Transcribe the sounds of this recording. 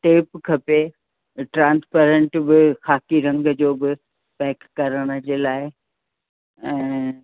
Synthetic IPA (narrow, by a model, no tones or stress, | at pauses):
ʈeːpkʰɐpe | ʈɾãːnspeːɾẽɳʈbɪxaːkiɾɐ̃ŋɡd͡ʑoːbɪ | pɛːkːɐɾəɽ̃ə̆d͡ʑeːlaːɪ | ɛ̃ː